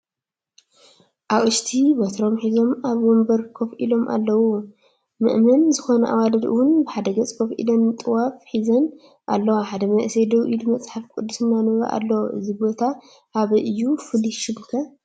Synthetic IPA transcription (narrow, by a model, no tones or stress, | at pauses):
ʔaβʔɨʃt̪ʰibɐt̪ʰɾo̞mħizo̞maβwɔmbɐɾkʰofʔḭlo̞mʔa̰lːɐwu | mɨ̰ʔmɐnzɨxonɐʔa̰walɐd̪ɨ̰wʊnbɨħad̪ɐɡɐt͡sʼkʰofʔḭlɐnt̪ʼɨwafħizɐn | ʔa̰lːɐwaħad̪ɐmɐʔsed̪oʔid̪ɨmɐt͡sʼħafkʼud̪ːusɨnːanɨɾɐ̰ʔa̰lːɐwoʔɨzibo̞t̪ʰa | ʔaβɨʔɨjːufɨliʃɨmkʰɐ